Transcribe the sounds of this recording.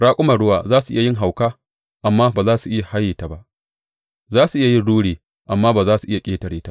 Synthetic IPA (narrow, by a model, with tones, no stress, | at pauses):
ɽaː˦kʷʼʊ˦mɐ˨ɽʊ˦waː˨zaː˦su˨ʔɪ̰˦ja˨jɪ˦ŋɦa˨wkaː˦ | ʔa˨mːaː˦baː˨zaː˦su˨ʔɪ˦ja˨ha˦jiː˨ta˨ba˦ʔ | zaː˦su˨ʔɪ˦ja˨jɪ˦nɽuː˦ɽeː˨ | ʔa˨mːaː˦baː˨zaː˦su˨ʔɪ˦ja˨kʲʼeː˦tɐ˨ɽeː˦ta˦